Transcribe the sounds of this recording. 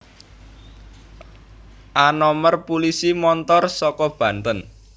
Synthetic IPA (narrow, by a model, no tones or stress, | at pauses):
ʔanɔmərpulisimɔnt̪ɔrsɔkɔb̥ä̤nt̪ən